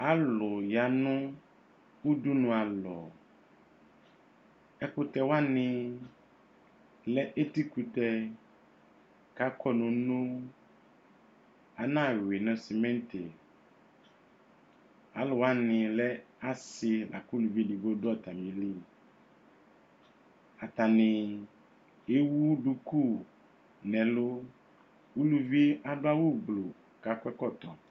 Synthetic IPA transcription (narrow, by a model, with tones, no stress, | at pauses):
a˦lo˨ja˨nũ˦ | wu˦du˦nũ˨a˨lɔ˨ | ɛ˦ku˦t̪ɛ˨wa˦nĩ˨ | lɛ˦ʔe˦t̪i˦ku˨t̪ɛ˦ | ka˨˦kɔ˦nũ˨nũ˦ | a˨nã˦wi˨nɛ̃˨si˨mɛ̃˦nt̪e˨ | a̰˨lo˨wa˦nɪ̃˨lɛ˦a˦sɪ˨lʔa̰˨ku˦lu˨vi˦ɖi˨bo˦dɔ˦t̪a˨mĩ˨li˦ | a˨t̪a˨nɪ̃˨ | e˦wu˦ɖu˦ku˦˨ | nɛ̃˨lo˦ | u˦lu˦vi˦a˨ɖo˦a˦wu˦blo˨ | ka˨kʷɛ˦kɔ˦˨t̪ɔ˨